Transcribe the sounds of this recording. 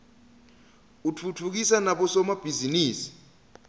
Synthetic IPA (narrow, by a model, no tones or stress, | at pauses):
utʰut͡fʰuk̬isanaɓɔsɔmab̥ʱiziniːsi̥